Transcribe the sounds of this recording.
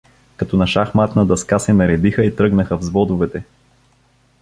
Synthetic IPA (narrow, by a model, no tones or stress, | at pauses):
kɐt̪ɔnɐʃaxmat̪nɐd̪ɐskasɛnɐɾɛd̪ixəit̪ɾɤɡnəxəvzvɔd̪ʊvɛt̪ɛ